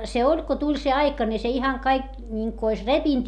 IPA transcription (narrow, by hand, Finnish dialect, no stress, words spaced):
se olʲ ko tulʲ se ɑikɑ ni se ihɑŋ kɑik nʲiŋku ois repint